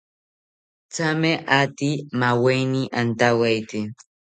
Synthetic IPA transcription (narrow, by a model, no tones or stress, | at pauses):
t͡samɛʔatimawejniʔantawɛjti